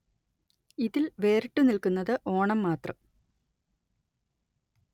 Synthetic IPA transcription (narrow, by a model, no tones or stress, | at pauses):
iðilʋe̞ːɾiʈːɨnilkunːɐðɨʔo̞ːɳɐmːaːt̪rɐ̰m